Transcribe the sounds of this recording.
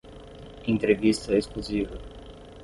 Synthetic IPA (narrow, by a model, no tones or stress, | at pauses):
ẽnt̪ɾevist̪ɐeskluzivɐ